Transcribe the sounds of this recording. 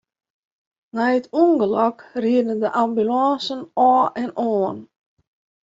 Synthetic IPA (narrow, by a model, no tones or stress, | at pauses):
nɛjətʰuənɡəlɔkriədəndəʔambylɑ̃ːsənɔːʔɛnʔɔːn